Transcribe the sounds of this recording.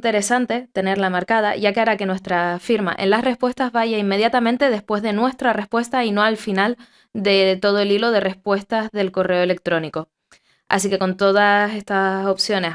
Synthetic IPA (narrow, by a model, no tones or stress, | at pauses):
nt̪e̞ɾe̞sant̪e̞t̪e̞ne̞ɾlamaɾkað̞aʝakeaɾake̞nwe̞st̪ɾafiɾma̰ʔẽnlasre̞spwe̞st̪azβaʝaimːe̞ðjat̪amẽnt̪e̞ðe̞spwe̞zðe̞nwe̞st̪ɾare̞spwe̞st̪aino̞alfinal | d̪e̞t̪o̞ð̞oelilo̞ð̞e̞re̞spwe̞st̪azðe̞lko̞re̞oe̞le̞k̚t̪ɾo̞niko̞ | a̰sike̞ko̞nt̪o̞ð̞ase̞st̪aso̞psjo̞ne̞